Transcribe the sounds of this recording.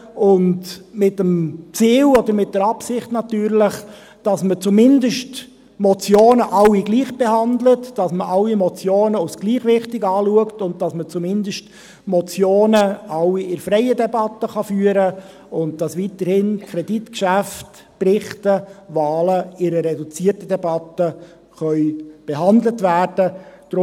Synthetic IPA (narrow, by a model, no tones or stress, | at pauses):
ʊndmɪtəmt͡siːlɔd̪əɾmɪt̚d̥əɾɑpsɪχtnɑtyːɾləχ | d̥ɑsmət͡sumɪndəʃt | mɔt͡sjoːnəʔɑwiɡliːχb̥ehɑndlətd̥ɑsməʔɑlimɔt͡sjoːnəɔsɡ̥liːχʋɪχtɪɡɑːluəktʊnt̚d̥ɑsmət͡sumɪndəʃt | mɔt͡sjoːnəɑwiɪɾfɾɛɪədɛbɑtːəχɑfyːəɾə | ʊnt̚d̥ɑsʋitəɾhɪnkkʰɾɛditkʃæft | prɪχtəvɑːləɪɾərːɛdut͡siːrtədɛbɑtə | χœʏb̥eɦɑndlətvæːrdəd̥ɾ